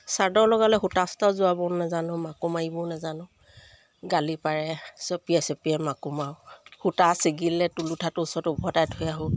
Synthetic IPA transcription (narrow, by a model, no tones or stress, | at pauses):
saɹdɔɹlɔɡalɛxutastɔzʊabɔnɛzanʊ̃makumaibɔnɛzanʊ̃ | ɡalipaɹɛsepiɛsepiɛmakumawhutasiɡilːɛtulutʰatʊsɔtubʱɔdajtʰɔjaɦʊ